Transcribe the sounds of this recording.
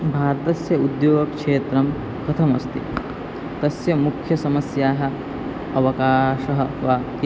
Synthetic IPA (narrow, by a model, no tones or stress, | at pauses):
bʱaːɾɐt̪ɐsjɐud̪joːɡɐkʂeːt̪ɾɐm | kɐt̪ʰɐmɐst̪ḭ | t̪ɐsjɐmukʰjɐsɐmɐsjaːɦɐ̆ | ɐʋɐkaːʃɐɦɐʋaːki